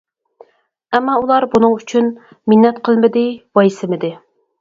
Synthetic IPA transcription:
ɛmːɑulˠɑɾbunɨŋyt͡ʃʰyn | mɪnːɛt̪qʰəlˠmɪd̪ɪwɑjsɪmɪd̪ɪ

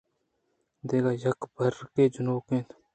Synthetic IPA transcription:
d̪eːɡaːjəkbʱəɾkeːd͡ʒʊnoːkẽːt̪

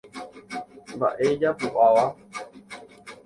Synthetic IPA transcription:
ba̰ʔɛd͡ʒapuʔawa

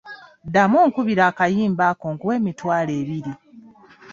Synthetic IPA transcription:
damoːŋkuβiɾaːkajiːmbaːkoŋɡuwe̞ːmitwaːle̞ːβiɾi

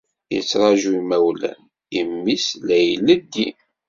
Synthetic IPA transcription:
jə̰t͡sːɾˤɑʒuimæwlæ̰n | imːislæjləd̪ːi

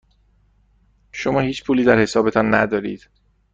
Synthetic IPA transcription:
ʃomɒːhiːt͡ʃʰpʰuːliːd̪æɾhe̞sɒːbe̞t̪ʰɒːnːæ̰d̪ɒːɾḭːd̪̥

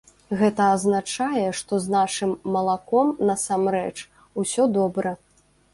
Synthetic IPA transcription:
ɣɛt̪ɐːznat͡ʂajɛʂt̪ɔznaʂɨmːɐlˠakɔmnɐsamɾɛt͡ʂ | usʲɔd̪ɔbɾɐ

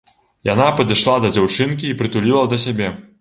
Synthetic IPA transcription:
janapɐd̪ɨʂlˠad̪ɐd͡zʲawt͡ʂɨnkʲiːpɾɨt̪ulʲilˠɐd̪ɐs̬ʲabʲɛ

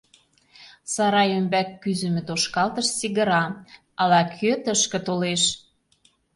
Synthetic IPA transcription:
sɑɾɑjømbækːyzɘmɘ̆t̪oʃkɑlt̪əʃt͡siɣə̆ɾɑ | ɑlɑkʰøt̪əʃkə̆t̪oleʃ

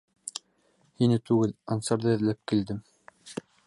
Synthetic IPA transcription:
hinɘt̪ʉɡɘlɑnsɑɾðɤɘ̆ðlæp̚kild̪ɘm

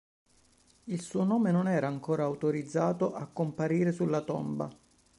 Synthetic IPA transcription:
ilsuːonoːmenonɛːɾaːŋkoːɾaːwt̪oɾid̪zːaːt̪oʔakːompaɾiːɾesulːat̪o̰mba̰

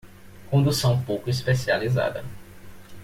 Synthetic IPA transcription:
kõnd̪usɐ̃w̃powkʊis̬pesializa̰d̪ɐ

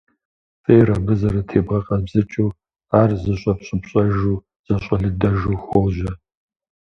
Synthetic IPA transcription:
fʼeːrɐbɨzɐɾɐtʰeːbʁɐqʼɐzbzɨt͡ʃʼuː | aːrzɨɕʼɐpɕʼɪpɕʼɐʒuː | z̥ɐɕʼɐɮɨdɐʒuːxʷoʒɐ

